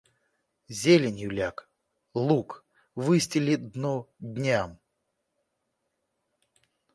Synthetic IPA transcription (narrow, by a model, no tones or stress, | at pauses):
zʲelʲɪnʲjulʲak | lˠuk | vɨsʲtʲɪlʲɪd̪nudʲnʲam